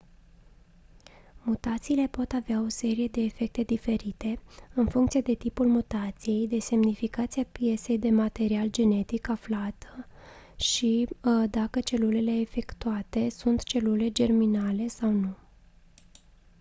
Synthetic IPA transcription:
mut̪at̪siːle̞po̞t̪aveao̞se̞ɾije̞d̪e̞ːfe̞k̚t̪e̞d̪ife̞ɾit̪e̞ɨnfuŋkt̪sijed̪e̞t̪ipulmut̪at̪sije̞jd̪e̞se̞mnifikat̪siapije̞se̞jd̪e̞mat̪e̞ɾiald͡ʒe̞ne̞t̪ikaflat̪ | ʃid̪akət͡ʃe̞lule̞le̞ːfe̞kt̪uat̪e̞sunt̪t͡ʃe̞lule̞d͡ʒe̞rminale̞sawnu

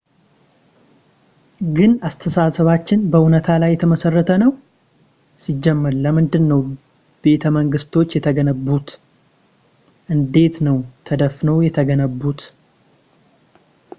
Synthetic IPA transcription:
ɡɨnast̪ʰəsasəβat͡ʃːɪnbəʔunət̪ʰalajːɛt̪ʰəməsərːət̪ʰənəw | sid͡ʒːɛmːəɾləmɨnd̪ɨnːəw | b̥e̞t̪ʰəməŋɡɨst̪ʰo̞t͡ʃːjɛt̪ʰəɡənəbːut̪ | ʔɨnd̪e̞t̪nəwt̪ʰəd̪əfnəwjɛt̪ʰəɡənəbːut̪

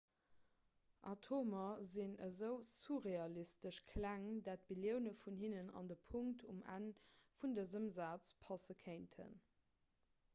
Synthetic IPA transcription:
ʔɑtʰoːmɐzinəzəʊsuʁeɑlistəʃkʰlæŋdaːt̚biljəʊnəfunhinənɑ̰ndəpʰuŋktʰumæ̰nfundəzəmzaːt͡spʰɑsəkʰeɪntʰə̰n

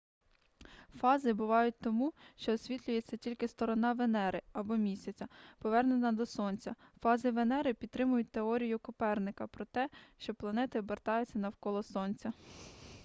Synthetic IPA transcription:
fɑzɪbʊʋɑjʊt̚ʲt̪ɔmuʃt͡ʃɔːsʲʋʲit̪ʲlʲʊjet͡sʲːɐtʲilʲkɪst̪ɔɾɔnɑʋenɛɾɪɐbɔmʲisʲɐt͡sʲɐpɔʋɛrnenɐd̪ɔsɔnʲt͡sʲɐfɑzɪʋenɛɾɪpʲid̪t̪ːɾɪmʊjʊt̚ʲt̪eɔɾʲijʊkʊpɛrnɪkɐpɾɔt̪ɛʃt͡ʃɔplˠɐnɛt̪ɪbert̪ɑjʊt͡sʲːɐnɐwkɔlˠɔsɔnʲt͡sʲɐ

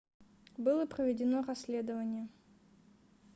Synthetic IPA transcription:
bɨlˠəpɾəvʲɪdʲɪnoɾɐsʲlʲed̪əvənʲɪjə

